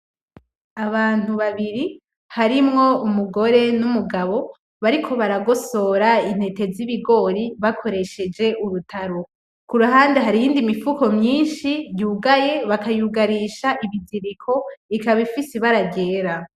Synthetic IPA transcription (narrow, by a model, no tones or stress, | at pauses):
aβaːn̥uβaβiɾi | haɾimŋo̞umuɡo̞ɾe̞numuɡaβo̞ | βaɾikʰo̞βaɾaɡo̞so̞ɾain̥e̞te̞ziβiɡo̞ɾiβakʰo̞ɾe̞ʃe̞d͡ʒe̞ʔuɾutʰaɾo̞ | kuɾuɦaːndeɦaɾijiːndimifuko̞mɲiːnʃijuːɡaje̞βakajuɡaɾiːʃaʔiβiziɾikʰo̞ikaβifisiβaɾaɟe̞ːɾa